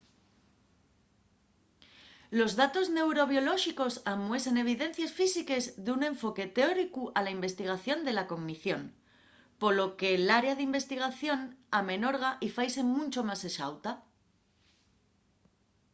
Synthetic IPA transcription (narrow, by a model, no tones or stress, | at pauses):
lo̞zðat̪o̞zne̞wɾo̞β̞jo̞lo̞ʃiko̞samwe̞se̞ne̞β̞iðe̞n̟θjasfisike̞zðunẽ̞ɱfo̞ke̞t̪eo̞ɾikuʔalaimbe̞st̪iɣ̞aθjo̞nd̪e̞lako̞ŋmiθjo̞n | po̞lo̞ke̞laɾeaðeimbe̞st̪iɣ̞aθjo̞namẽ̞noɾɣ̞aʔifajse̞mũnt͡ʃo̞maseʃa̰wt̪a